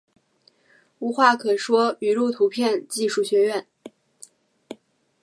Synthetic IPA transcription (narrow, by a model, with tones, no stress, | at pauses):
u˧˥xwa˥˩kʰɤ˨˩ʂwɔ˥y˨˩lu˥˩t̪ʰu˧˥pʰjɛ˥˧nt͡ɕi˥˧ʂu˥˩ɕɥɛ˧˥ɥɛ˥˩n